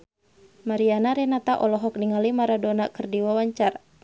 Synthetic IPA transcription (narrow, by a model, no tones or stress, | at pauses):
maɾianaɾɛnat̪aʔɔlɔɦɔk̚niŋalimaɾadonakɨrdiwawaɲt͡ʃara